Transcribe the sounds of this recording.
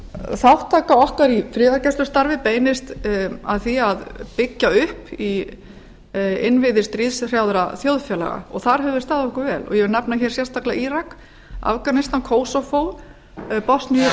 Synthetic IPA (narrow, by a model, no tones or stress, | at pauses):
θawt̪ʰaːkaɔhkaɾifɾɪːðaɾcɛst̪ʏst̪aɾvɪpeːjnɪst̪aðθiaðpɪcːaʏhpi | ɪnvɪðɪ̥st̪ɾiðsr̥jawðɾaθjoːwðfjɛːla̰ɣa̰ɔɣθaɾ̥ɦɛvʏɾ̥st̪aːðɪɔhkʏɾvɛːlɔ̰ɣjɛvɾnɛpnaçɛɾ̥sjɛ̥st̪aklaʔiːɾak | a̰vkanɪst̪ankʰoːwsɔfoːw | pɔsniʏ